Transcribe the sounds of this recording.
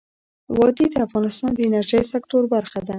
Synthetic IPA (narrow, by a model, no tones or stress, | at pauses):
wɑd̪id̪əafɣɑnɪst̪ɑnd̪əɪnaɾʒəjsakt̪oɾbaɾxad̪a